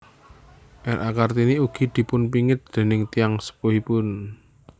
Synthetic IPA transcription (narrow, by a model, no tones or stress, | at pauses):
ʔɛɾʔa̰kart̪iniuɡ̥i̤d̪̥i̤pʊnpiŋɪt̪̚d̪̥e̤nɪŋt̪ijaŋsə̥puɦipʊn